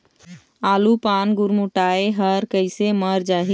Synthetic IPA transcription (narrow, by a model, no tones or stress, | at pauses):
alupanɡuɾmuʈaeɦəɾkəɪseməɾd͡ʒaɦi